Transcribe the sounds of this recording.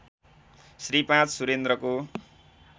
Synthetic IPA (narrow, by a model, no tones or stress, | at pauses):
sripãt͡ssuɾend̪rʌko